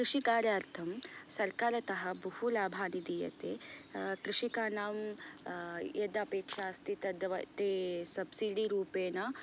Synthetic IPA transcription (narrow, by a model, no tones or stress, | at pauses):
kɾiʂikaːɾjaːɾt̪ʰɐmsɐɾkaːɾɐt̪ɐɦɐbɐhulaːbʱaːnid̪iːjɐ̰t̪eːkɾɪʂikaːnaːm | ed̪ɐɐpeːkʂaːst̪it̪ɐd̪ʋɐt̪eːsɐbsiɖiɾuːpeːnɐ